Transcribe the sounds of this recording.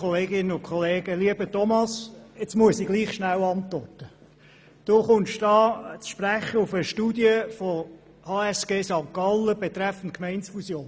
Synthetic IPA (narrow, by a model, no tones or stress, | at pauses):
ɔleːɡɪnənʊnkʰχɔleːɡ̥əliəbətɔmɑset͡smuəsiɡ̥liːχʃnæwɑntʋɔrtə | d̥oːχʊnʃd̥ɑːt͡sʃpræχəufəʃtuːdiəfɔ | hɑːɛsɡ̥eːsɑŋkɑlːəb̥et̪ɾɛfn̩t̚kmɛɪnsfusjoːn